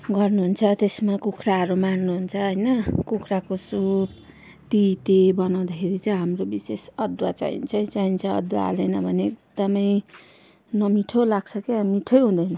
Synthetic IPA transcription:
ɡʌrnuɦunt͡sʰʌt̪esmakukʰraɦʌɾumannuɦunt͡sʰʌɦʌjnʌkukʰrakosub̚ | t̪it̪ebʌnaw̃d̪akʰeɾit͡saiɦamrobisesʌd̪wat͡sa̰ḭnt͡sʰaĩt͡saɦint͡sʰʌʌ̰d̪waa̰lejnʌbʱʌneːd̪ʌmʌj | nʌmiʈʰolaɡsʰʌkemiʈʰʌjɦũd̪ʌjnʌ

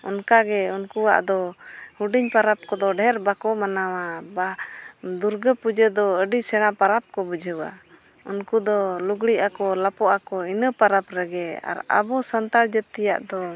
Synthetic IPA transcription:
ɔnkaɡɛunkuwa̰ʔd̪ɔhuɖiɲpaɾap̚kɔd̪ɔɖʱɛɾbakɔmanawabad̪uɾɡəpud͡ʒəd̪ɔəɖisɛɽ̃apaɾap̚kɔbəd͡ʒʱəwa̰ | unkud̪ɔluɡɽiʔakɔlapɔʔakɔinəpaɾapɾɛɡɛa̰ɾa̰bɔsant̪aɽd͡ʒət̪ːɛja̰ʔd̪ɔ

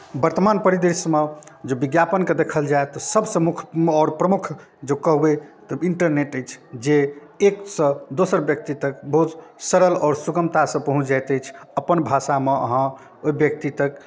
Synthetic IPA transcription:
bəɾt̪əmanpəɾid̪esmed͡ʒebiɡjapənked̪ekʰəld͡ʒaet̪ɔsəbʱsə̃mukʰɔɾpɾəmukʰ | d͡ʒekəɦbet̪ɔiɳʈəɾneʈəjt͡ʃʰd͡ʒe | eksə̃d̪osəɾbjək̚t̪it̪əkbəɦut̪səɾəlɔːɾsuɡəmt̪asə̃pəɦũt͡ʃʰd͡ʒajt̪əjt͡ʃʰəpənbʱasameə̰ɦã | oibjək̚t̪it̪ək

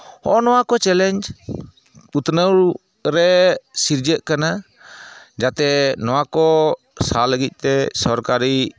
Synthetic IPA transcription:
hɔʔɔnɔwakɔt͡ʃɛlɛɲd͡ʒ | ut̪nəwɾ | ɾɛsiɾd͡ʒəʔkana | d͡ʒat̪ɛnɔwakɔ | saləɡic̪̚ˀt̪ɛsɔɾkaɾi

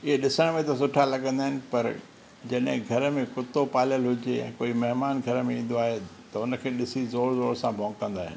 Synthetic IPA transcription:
ɪɦeɗɪsəɽ̃mẽt̪ɐs̬ʊʈʰalɐɠə̃nd̪aːɦɪnɪ̆pɐɾ | d͡ʑɐɗɦɪ̃ɡʱɐɾəmẽkʊt̪opaːljəlɦʊd͡ʑeɛ̰̃ːkoːimɐɦmaːnɡʱɐɾmẽĩːn̆d̪oaːɦet̪ɐʊnəkʰeːɗɪsizoːɾzoːɾsãbʱɔ̃ːŋɡkːɐ̃nd̪aːɦɪ̰n

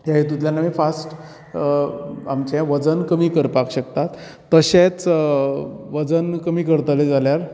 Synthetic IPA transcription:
jaɦet̪ut̪ljanaʋifasʈ | amt͡ɕɛ̃ʋəd͡zənkəmiːkəɾpakɕək̚t̪at̪ː | əɕẽt͡s | ʋəd͡zənkəmiːkəɾt̪əled͡zaljaɾ

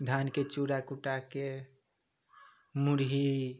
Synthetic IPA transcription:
d̪ʱanket͡ʃuɾakuʈake | muɾɦi

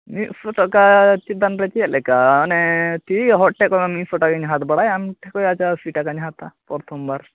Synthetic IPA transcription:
miʔfuʈɔkat͡ʃit̪̚d̪anɾɛt͡ʃiɛlɛkaɔnɛt̪iɦɔʈ̚ʈɛkɔmamifɔʈɔkaɲɦat̪bɐɽajamʈʰɛkɔjat͡ʃasiʈakaɲɦat̪apɔɾt̪ʰɔmbaɾ

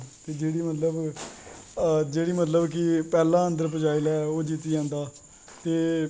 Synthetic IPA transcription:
t̪eːd͡ʒeːɽiːmət̪ləb | d͡ʒeːɽiːmət̪̬ləbkɪpɛːlãːə̃nd̪əɾpəd͡ʒaːilɛːoːd͡ʒiːt̪iːd͡ʒãːnd̪aː | t̪eː

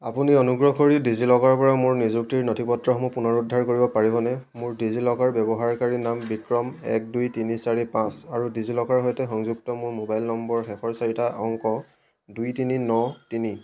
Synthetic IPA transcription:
apuniɔnuɡɹɔɦkoɹidizilɔkaɹpɔɹamʊɹnizuktiɹnotʰipɔtɹɔxɔmɔpunɔɹudʱaɹkoɹibɔpaɹibɔnɛmʊɹdizilɔkaɹbɛbɔɦaɹkaɹinambikɹɔmɛ̰k̚dujtinisaɹipãsaɹudizilɔkaɹɦɔjtɛxɔŋzuk̚tɔmʊɹmobajlnɔmbɔɹxɛxɔɹsaɹitʰaʔɔŋkɔ | dujtininɔtini

